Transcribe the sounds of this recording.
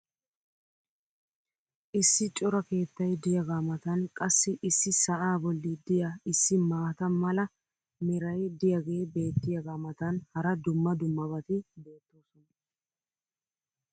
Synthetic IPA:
ʔɪsːɪt͡ʃʼɔɾɐke̞ːt̪ːɐjd̪ɪjɐɡaːmɐt̪ɐnkʼɐsːɪʔɪsːɪsɐʔaːbɔlːid̪ɪjaɪsːɪmaːt̪ɐmɐlɐ | mɛɾɐjd̪ɪjɐɡe̞ːbe̞ːt̪ːɪjɐɡaːmɐt̪ɐnhɐɾɐd̪ʊmːɐd̪ʊmːɐbɐt̪ɪbe̞ːt̪ːo̞ːsɔnɐ

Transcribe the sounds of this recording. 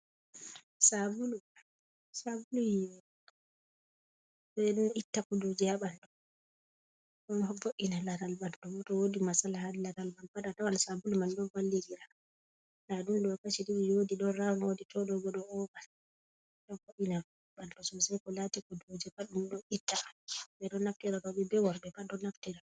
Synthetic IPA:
sabulu | sabulujiwɛ | sɔɗɔnitːakɔdod͡ʒɛhaɓanɗɔ | ɗɔnhɔboʔinalaɾalbanɗɔbɔtɔwodimasalahadlaɾalbanbaɗatawalsabulumandɔvalːid͡ʒiɾa | naɗunɗɔkat͡ʃidiɾiwodiɗɔnɾaŋwoditɔɗɔɡɔɗɔɔbal | ɗɔnboʔina | ɓaltɔsɔsajkɔlatikɔdod͡ʒɛkaɗumɗɔʔitːabanɔbɛɗɔnaftɛɾatɔɓɛbɛwɔɾdɛkaɗɔnːaftɛɾa

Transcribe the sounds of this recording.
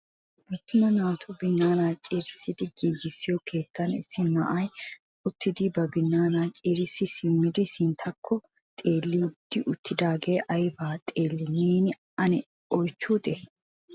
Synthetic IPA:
bʊt̪ːʊmɐnaːt̪ʰʊbɪnːaːnaːt͡ʃʼeːɾɪsɪd̪ɪɡiːd͡ʒɪsːɪjɔkʰe̞ːt̪ʰːɐnɪ̰sːɪnɐ̰ʔɐj | ʊt̪ːɪd̪ɪbɐbɪnːaːnaːt͡ʃʼeːɾɪsːɪsɪmːɪd̪ɪsɪnt̪ʰɐkʰːɔ | t̪ʼe̞ːlːiːd̪̥ːɪʔʊt̪ːɪd̪aːɡeːʔɐjbaːt̪ʼeːlːɪneːnɪ | ɐnɛ | ɔjt͡ʃːuːt̪ʼɛ

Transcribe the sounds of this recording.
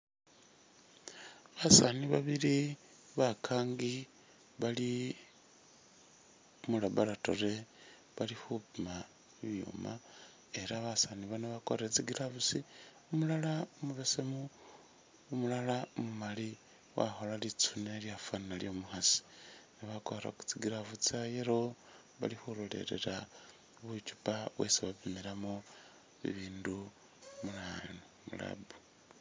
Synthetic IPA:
βasaniβaβili | βakʰaːŋɡi | βali | mulaβalato̞̰re̞ | βalixupima | iβjṵma | eɾaβasaniβaneβakoɾet͡siɡiɾaβusi | umulalaomuβesemuː | mulalaomumali | wa̰xo̞lalit͡suneljafannaljomuxasi̥niβakoɾeɾa̰ku̥t͡siɡiɾaβut͡sajeɾo | βa̰lixulole̞̰ɾe̞̰ɾa | βut͡ʃu̥paβwḛsiβaβimiɾamo | βḭβiːndu | mulanomṵla̰bu̥

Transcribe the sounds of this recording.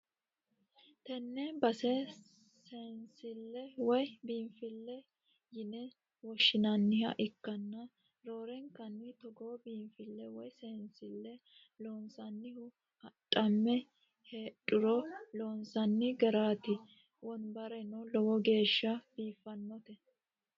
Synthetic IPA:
t̪ɛnːɛbɐsɛ | sɛnsɪlːɛwɔjbiːmfɪlːɛ | jɪnɛ | wɔʃːɪnɐnːɪhɐ̰ʔɪkːɐnːɐ | ɾoːɾɛŋkɐnːɪt̪ɔɡoːbiːmfɪlːɛwɔjsɛːnsɪlːɛ | loːnsɐnːɪhʊ | hɐtʼɐmːɛ | heːᶑʼʊɾɔloːnsɐnːɪɡɐɾaːt̪ɪ | wɔnbɐɾɛnɔlɔwɔɡe̞ːʃːɐb̥iːfːɐnːɔt̪ɛ

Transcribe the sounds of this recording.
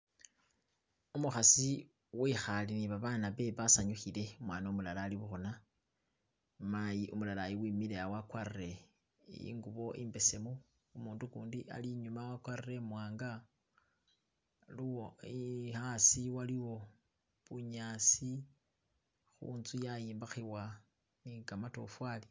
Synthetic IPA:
umuxasi | wixaliniβaβaːnaβe̞βasaɲuxile̞mwaːnomulalaːliβuxuna | majiʔumulalajiwimilejawakwarire̞ | ḭːŋɡuβo̞ʔḭːmbe̞se̞mu | umuːndukuːndiʔa̰liɲumawakwarire̞mwaːŋɡa | luwoihasiwaliwo̞ | βuɲasi | xṵːnzujajiːmbaxiwa | niɡamato̞̰fwali

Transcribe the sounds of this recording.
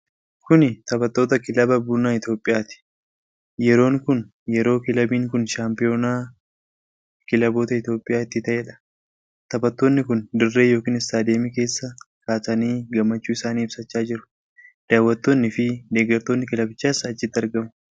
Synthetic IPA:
kʊnɪt̪ɐbɐt̪ːo̞ːt̪ɐkɪlɐbɐbunaːɪt̪jo̞ːpʼːɪjaːt̪ɪ̥ | jɛɾo̞ːŋkʊn | jɛɾo̞ːkɪlɐbiːŋkʊnʃaːmpɪjo̞ːnaː | kɪlɐbo̞ːt̪ɐɪt̪jo̞ːpʼːɪjaːɪt̪ːɪt̪ɐʔeᶑɐ̥ | t̪ɐbɐt̪ːo̞ːnːɪkʊnd̪ʊrːe̞ːjo̞ːkiːnɪsːaːd̪e̞ːmike̞ːsːɐkaːtɐniːɡɐmːɐt͡ʃːuːɪsaːniːɪbsɐt͡ʃːaːd͡ʒɪɾʊ̥ | d̪̥aːwːɐt̪ːo̞ːnːɪfɪd̪e̞ːɡɐɾt̪o̞ːnːɪkɪlɐbɪt͡ʃːaːsɐt͡ʃːɪt̪ːɐɾɡɐmʊ̥

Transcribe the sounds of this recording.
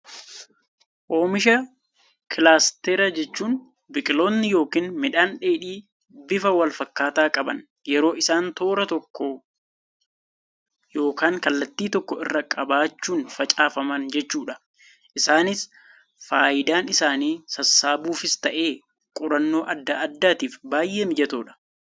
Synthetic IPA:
ʔo̞ːmɪʃɐ | kɪlaːst̪ɛɾɐd͡ʒɛt͡ʃːuːn | bɪkʼɪlo̞ːnːɪjo̞ːkiːnmɪᶑaːnᶑeːᶑiː | bɪfɐwɐlfɐkːaːt̪aːkʼɐbɐ̰n | jɛɾo̞ːɪsaːnt̪o̞ːɾɐt̪ɔkːɔ | jo̞ːkaːŋkɐlːɐt̪ːiːt̪ɔkːɔʔɪ̰rːɐkʼɐbaːt͡ʃːuːnfɐt͡ʃʼaːfɐmɐnd͡ʒɛt͡ʃːuːᶑɐ | ʔɪsaːnɪs | faːjɪd̪aːnɪsaːniːsɐsːaːbuːfɪst̪ɐʔe̞ː | kʼʊɾɐnːo̞ːʔɐd̪ːaɐd̪ːaːt̪iːfbaːjʔe̞ːmɪd͡ʒɐt̪oːᶑɐ̥

